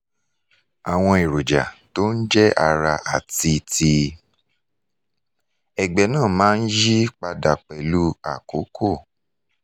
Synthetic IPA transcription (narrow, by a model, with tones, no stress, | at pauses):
a˨w̃ɔ̃˧i˨ɾo˨d͡ʒa̰˨to˦n̩˦d͡ʒɛ˦a˧ɾa˧ʔa˨ti˧ti˧ | ɛ˨ɡ͡bɛ˨nãː˦˨mãː˦n̩˦ji˦k͡pa˧da˨k͡pɛ˨lu˦a˨ko˨˦kʰo˦˨